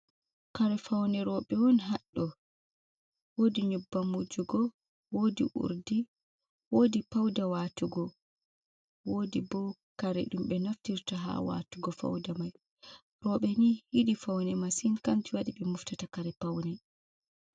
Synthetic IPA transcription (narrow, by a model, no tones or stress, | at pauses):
kaɾɛfawnɛɾɔɓɛwɔnɦaɗːɔ | wodiɲubːamud͡ʒuɡɔ | wodḭʔṵɾdi | wodipawdawaːtuɡɔ | woːdibɔkaɾɛ̰ɗumɓɛnaftiɾtaɦa̰wa̰tuɡɔfa̰wdamaj | ɾɔɓɛnihiɗifawnɛmasinkamtiwaɗiɓɛmuftatakaɾɛpawnɛ